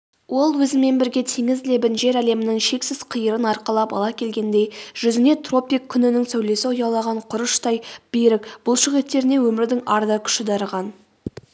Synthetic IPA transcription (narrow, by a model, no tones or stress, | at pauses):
wo̞lˠwɵzɪme̞nbɪɾɡʲe̞t̪ʰiŋɪzlebɪnʒe̞ɾæle̞mɪnɪŋʃe̞ksɪz̥qʰəjəɾənɑɾqɑlˠɑpɑ̰lˠɑkʲʰe̞lɡʲe̞nd̪e̞jʒ̥ʏzɪne̞t̪ro̞pʲijkʲʰːʏnɪnɪŋsæwle̞sɪʊjɑlˠɑʁɑɴqʰʊɾəʃt̪ɑjb̥eɾɪkb̥ʊlˠʃʊʁet̪ːe̞ɾɪne̞wɵmɪɾd̪ɪŋɑɾd̪ɑkʲʰʏ̥ʃɪd̪ɑɾəʁɑn